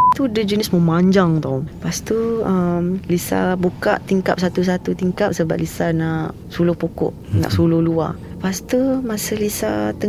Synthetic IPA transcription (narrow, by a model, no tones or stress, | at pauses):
t̪udəd͡ʒənəsməmaɲd͡ʒaŋt̪aupast̪uəmlisa̰buka̰ʔt̪iŋka̰p̚sat̪us̬at̪ut̪iŋkap̚səba̰ʔlisanaʔ | sulʊhpukɔ̰ʔna̰ʔsulʊhlua̰ | past̪umasəlisa̰t̪ə